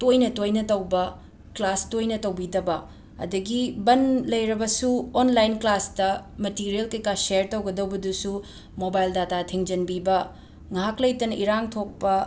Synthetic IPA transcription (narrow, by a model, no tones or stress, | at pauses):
tojnɐtojnɐtɐwbɐ | klastojnɐtɐwbidɐbɐ | ɐ̰dɐɡibɐnlɐjɾɐbɐsuonlajinklastɐmɐtiɾielkɐjkaseɾtɐwɡɐdɐwbɐdusu | mobajldatatʰiŋd͡ʒɐnbibɐ | ŋaɦaklɐjtɐnɐʔiɾaŋtʰok̚pɐ